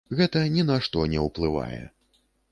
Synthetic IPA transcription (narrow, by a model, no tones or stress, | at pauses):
ɣɛt̪ɐnʲɛnaʂt̪ɔnʲɛwplˠɨva̰jɛ̰